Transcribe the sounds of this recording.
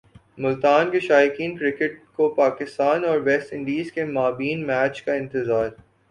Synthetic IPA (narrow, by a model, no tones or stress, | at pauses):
mʊlt̪aːnkeʃaːjɪkiːnkɾɪkəʈ̚kopaːkɪst̪aːnɔːɾʋɛsʈɪ̃ɳɖiːzkemaːbiːnmɛːt͡ʃkaɪ̃nt̪ɪzaːɾ